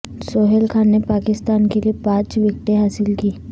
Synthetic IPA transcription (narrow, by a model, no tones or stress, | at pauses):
soːɦelkʰaːnːepaːkɪst̪aːnkeliepãːt͡ʃʋɪk̚ʈeɦaːsɪlkiː